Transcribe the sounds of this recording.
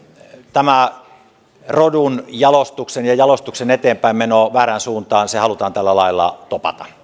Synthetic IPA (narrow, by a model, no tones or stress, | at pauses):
t̪æmæ | rodunjɑlost̪uksenjɑjɑlost̪uksenet̪eːmpæimmenoːʋæːɾænsuːnt̪ɑːnsehɑlut̪ɑːnt̪ælːælɑilːɑ̰t̪opɑ̰t̪ɑ̥